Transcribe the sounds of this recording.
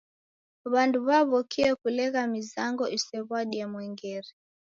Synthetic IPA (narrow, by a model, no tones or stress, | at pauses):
uβanduβaβɔkʰiɛkulɛɣamizaŋɡɔisɛβaɗiamwɛŋɡɛɾi